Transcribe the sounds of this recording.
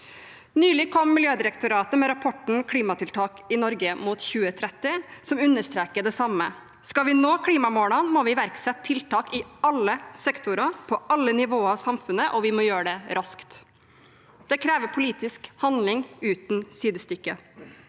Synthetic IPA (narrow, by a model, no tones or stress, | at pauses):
nyːlɪkʰɔmːɪljøːd̪ɪɾɛkt̪ʊɾɑːt̪əmɛɾɑpʰɔʈɳ̩kʰɽiːmɑt̪ʰɪlt̪ʰɑːkɪnɔɾɡəmuːt̪çʉːət̪ʰɾɛt̪ːɪsɔmʉnːəʂt̪ɾeːkəɖ̪ɛsɑmə | skɑʋɪnoːkʰɽiːmɑmoːlɑnmɔʋɪʋæɾksɛt̪t̪ʰːɪlt̪ʰɑːkɪɑlːəsɛkt̪ʰʊɾɑpʰɔɑlːənɪʋoːɑʋsɑmfʉnəʔɔʋɪmɔjøːɖɛɾʔɑskt̪ | d̪̥ɛkʰɾɛːʋəpʰʊliːt̪ɪskhɑnd̪lɪŋʉːt̪nsiːd̪əst̪ʏkːə